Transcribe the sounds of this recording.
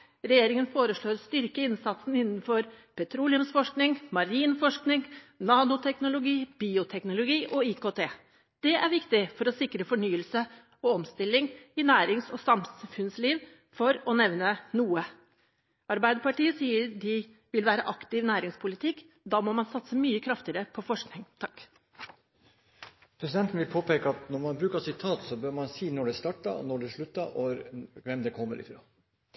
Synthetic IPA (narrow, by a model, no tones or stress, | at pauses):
ɾɛjeːɾɪŋənfoːɾəʂɭoːɾst̪ʏɾkəɪnsɑt̪sn̩ɪnːnfɔɾpʰɛt̪ʰɾuːlɪʊmsfɔʂknɪŋmɑɾiːnfɔʂknɪŋnɑːnʊt̪ʰɛknʊlʊɡiːb̥iːʊt̪ʰɛknʊlʊɡiːʔɔɪkoːt̪ʰeː | d̪̥ɛʔæɾʋɪkt̪ɪfɔɾɔsɪkɾəfɔɳyːəlsə | ɔɔmst̪ɪlːɪŋɪnæːɾɪŋsɔsɑmfʉnsliːʋ | fɔɾɔnɛʋnənuːə | ɑɾbæɪd̪əɾpɑʈiːəsiːəɾd̪ɪ | ʋɪlʋæːɾəʔɑkt̪ɪʋnæːɾɪŋspʰʊlɪt̪ʰɪkː | d̪ɑːmɔmɑnsɑt̪səmyːəkʰɾɑft̪ɪəɾəpʰɔfɔʂknɪŋt̪ʰɑkː | pʰɾɛsɪd̪ɛnt̪n̩ʋɪlpʰoːpeːkəɑt̪nɔɾmɑnbɾʉːkəsɪt̪ʰɑːt̪sɔbøːɾmɑnsiːnɔɖɛst̪ɑʈːɑ̰nɔɖɛʂɭʉt̪ːəʔɔʋɛmd̪ɛkʰɔmːəɾɪ̰fɾɑ̰ː